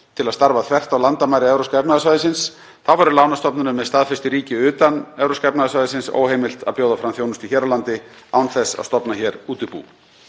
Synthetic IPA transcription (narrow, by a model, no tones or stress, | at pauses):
t̪ʰɪlaðst̪aɾvaðθʰvɛr̥t̪awlant̪amajɾɪɛvɾowskɛpnaðasvajðɪsɪns | θavaɾʏlawnast̪ɔpnʏnʏmːɛðst̪aːðfɛst̪ɪɾiːcɪʏːt̪anɛvɾowskɛpnaðasajðɪsɪnso̰ːwhejmɪlt̪a̰pjoːwðafɾamθjownʏst̪içɛːɾalant̪ɪawnθɛsːa̰st̪ɔpnaçɛːɾuːt̪ɪpṵː